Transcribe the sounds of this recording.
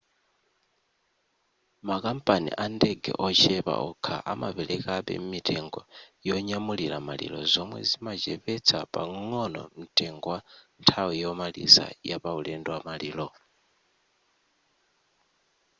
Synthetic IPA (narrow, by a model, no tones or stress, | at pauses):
makam̩pʼanḭʔandɛɡɛ̰ʔɔt͡ʃʰɛpa̰ʔɔkʰaʔamapɛlʔɛkaɓɛ̰m̩mitʼɛŋɡɔjɔɲamulilamalḭlɔzɔmwɛ̰zimat͡ʃɛɸɛt͡sʰapʼaŋɔnɔ̰mitʼɛŋɡɔwantʰawijɔmalḭsa̰japaulɛndwamaliːlɔ